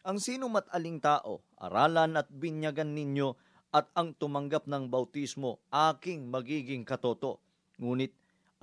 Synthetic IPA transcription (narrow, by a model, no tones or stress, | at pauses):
ʔɐŋsiːnomɐt̪ʔɐliŋt̪aːʔo̞̰ʔɐ̰ɾaːlɐnɐt̪̚bɪnjɐɡanːɪɲjo̞ | ɐt̪̚ɐŋt̪ʊmɐŋɡap̚nɐŋbɐwt̪ismo̞ʔaːkɪŋmɐɡiːɡɪŋkɐt̪o̞ːt̪o̞ʔ | ŋuːnɪt̪̚